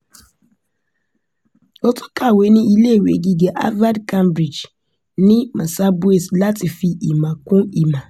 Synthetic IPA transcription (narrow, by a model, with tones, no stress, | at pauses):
o˦tʊ̥˦kʰa˨we˨˦nɪ̃˦i˦le˦˨wḛ˨ɡi˦ɡe˨ʔa̰˦va˦dka˦mbɾi˨d͡ʒ | nɪ̃˦ma˨sa˦bʊ˦e˨sla˦tɪ˨fi˦ʔi˨ma˨kʊ̃˦i˨ma˨